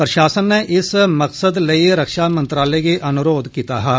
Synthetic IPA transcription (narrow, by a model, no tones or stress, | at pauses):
pɾəʃaːsənːeʔɪsmɐqsəd̪lɐiɾɐkʃamɐ̃nt̪ɾaːlekeʔɐnʊɾoːd̪ʱkiːt̪aɦɛː